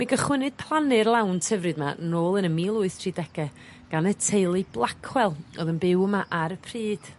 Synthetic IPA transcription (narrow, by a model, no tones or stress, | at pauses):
miɡəχwɪnɨd̥̚pʰlˠanɪrlˠawntʰəvrɨdmaənoːlˠənəmiːlˠʊɨθtʰr̥iːdɛɡɛ | ɡ̥anətʰejlˠɨblˠakʰwɛlˠɔ̰ðənbɪwəmaʔaɾəpʰriːd̥